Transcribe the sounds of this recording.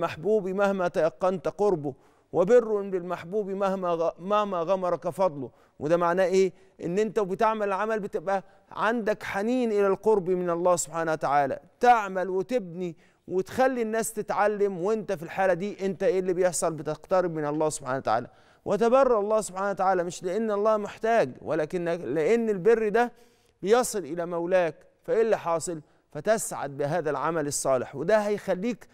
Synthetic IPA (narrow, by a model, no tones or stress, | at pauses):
maħbuːbimahmæt̪æjɑqːɑnt̪qoɾbʊ | wɪbɪrːʊlɪlmaħbuːbimæhmæmahmæɣɑmɑɾˤɑkfɑd̪ˤlo | wɪd̪æːmaʕnæːʔeː | ʔɪnːʔɪnt̪æwbɪt̪ɪʕmallʕamælbɪt̪ɪbʔæ | ʕand̪ækħaniːnʔɪlælqoɾbimɪnɑlˤːæːsʊb̥ħaːnahwat̪aʕaːlæ̰t̪ɪʕmælwɪt̪ɪb̚ni | wɪt̪xælːinːæːst̪ɪt̪ʕalːɪmwɪnt̪æfilħaːlæd̪iːʔɪnt̪æʔelːibejeħsˤɑlbɪt̪ɪqt̪ɑɾɪb̚mɪnɑlˤːɑːhsʊ̥b̥ħa̰ːnawt̪aʕa̰ːlæ̰ | wʔt̪æbɑrˤːɑɾˤɑlˤːɑːsobħaːnawæt̪aʕaːlæmɪʃlɪʔenːɑlˤːɑːmɪħt̪æːɡwælæːkɪnːleʔenːɪlberːid̪æ | bɪjɑsˤɨlʔɪlæmæwlæːk | fæʔelːiħɑːsˤɨl | fæt̪æsʕa̰d̪̚bɪɦæːðælʕa̰mælɨsˤːɑːlɪħwɪd̪æhæjxælːiːk